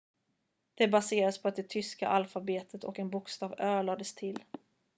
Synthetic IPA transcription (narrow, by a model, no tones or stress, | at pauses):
d̪̥ɛbaseːɾaspʰɔat̪̚d̪ɛt̪ʰʏska̰ʔalfabeːt̪ʰət̪ɔ̰kɛnbʊkst̪ɑːvøːɭɑːd̪əst̪ʰɪl